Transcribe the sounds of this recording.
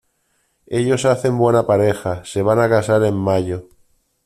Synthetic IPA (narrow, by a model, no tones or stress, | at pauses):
e̞ʎo̞saθe̞mbwe̞napaɾe̞xase̞β̞anakasaɾe̞mːaʎo